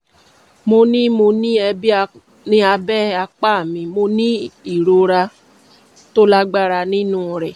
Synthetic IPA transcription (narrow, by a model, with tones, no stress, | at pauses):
mo˧nĩ˦mo˧nĩ˦ɛ˧bi˦˧ | nĩ˧˦a˧bɛ˦a˧k͡pa˦˨mĩ˧mo˧nĩ˦i˦˨ɾo˧ɾa˧ | to˦la˦ɡ͡ba˦ɾa˧nĩ˦nũ˦˨ɾɛ˨